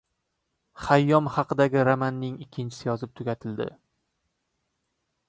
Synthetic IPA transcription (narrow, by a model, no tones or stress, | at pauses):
χajːɒmhɑqʰɨd̪aɡʲɪɾamanːɪŋɪkʲʰːɪnt͡ʃʰɪ̥sɪjɒzɪp̚t̪ʰʊɡʲat̪ʰɪld̪ɪ̰